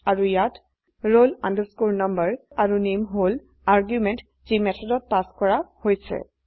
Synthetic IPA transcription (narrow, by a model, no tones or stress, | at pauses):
aɹujat | ɹola̰ndəskuɹnambəɹaɹunemɦol | aɹɡjumɛnt | zimɛtʰɔdɔt̚paskɔɹahojsɛ̰